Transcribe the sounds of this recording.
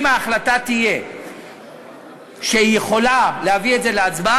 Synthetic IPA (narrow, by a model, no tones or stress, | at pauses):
maːχlatat̪ije̞ | ʃeijeχo̞lalehavietze̞leat͡sba